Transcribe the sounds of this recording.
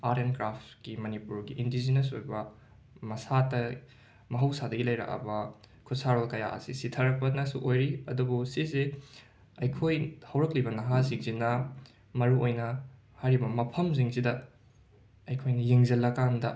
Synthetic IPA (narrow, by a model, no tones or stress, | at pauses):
aɾenkɾaptkimɐnipuɾɡiʔindizineso̰jbɐ | mɐsatɐ | mɐɦɐwsadɐɡilɐjɾa̰kɐ̰bɐkʰutsaɾolkɐja̰ʔɐ̰sisitʰɐɾɐk̚pɐnɐsuʔojɾiɐ̰dubusize | ɐjkʰojhɐwɾɐklibɐnɐɦaziŋzinɐ | mɐɾuojnɐ | hajɾibɐmɐpʰɐmziŋzidɐ | ɐjkʰojnɐjiŋzɐlːɐkandɐ